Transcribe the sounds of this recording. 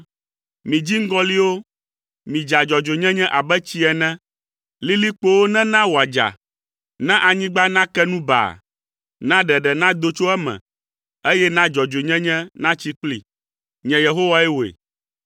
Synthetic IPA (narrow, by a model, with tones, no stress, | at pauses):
mĩ˨d͡ʑi˦ŋ̩˦ɡɔ̃˦li˦wo˦ | mĩ˨d͡ʒa˨d͡ʒɔ˨d͡ʒo˨ɲɛ̃˦ɲɛ̃˦ʔa˨bɛ˦t͡ɕi˦ɛ˨nɛ̃˦ | li˦li˦k͡po˦wo˦nɛ̃˦nã˦wo˨a˨d͡ʒa̰˨ | nɛ̃˦ʔa˨ɲĩ˦ɡ͡ba˦nã˦kɛ˦nũ˦ba̰˨ | nã˦ɖɛ˨ɖɛ˨nã˦d̪o˦t͡ʃo˦ɛ˦mɛ̰̃˨ | e˦jɛ˦nã˦d͡ʒɔ˨d͡ʒo˨ɲɛ̃˦ɲɛ̃˦nã˦t͡ɕi˦k͡plḭ˨ | ɲɛ̃˨je˨ɦo˦wa˦ɛ˦wo˨ḛ˨